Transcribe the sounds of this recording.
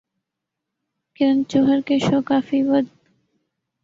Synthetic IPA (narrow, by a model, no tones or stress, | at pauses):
kɪɾənt͡ʃoɦəɾkeʃoːkaːfiːwəd̪̚